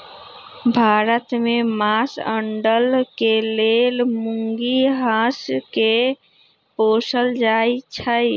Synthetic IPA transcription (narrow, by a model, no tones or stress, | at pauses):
bʱaɾət̪memasə̰ɳɖəlkelelmuŋɡiɦãske | posəld͡ʒajt͡ʃʰəj